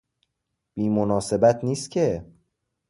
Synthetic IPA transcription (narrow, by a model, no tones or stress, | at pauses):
b̥iːmonɒːse̞bæt̪ʰniːst̪cʲʰe̞